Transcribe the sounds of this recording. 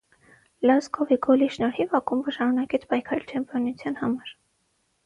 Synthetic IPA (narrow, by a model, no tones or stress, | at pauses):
lɑsɡɔviɡɔliʃnɔɾivɑkumvəʃɑnunɑkɛt͡sʰpɑjkʰɑɾɛlt͡ʃʰɛmpʰjɔnut͡sʰjɑnhɑmɑɾ